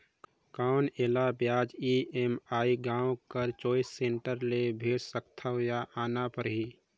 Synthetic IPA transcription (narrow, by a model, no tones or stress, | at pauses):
kaːʊneːlabjaːd͡ʒiemaːiɡãːwkəɾt͡ʃɔːɪsːẽːɳʈəɾlebʱeːɽsəkt̪ʰaɦjaʔaːnapəɾɦiː